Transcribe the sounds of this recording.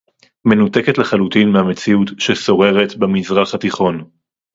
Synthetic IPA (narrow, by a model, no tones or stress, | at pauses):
me̞nuteketleχalutinmehame̞t͡siutʃeso̞ʁe̞ʁet̪bemizʁaχhatiχo̞n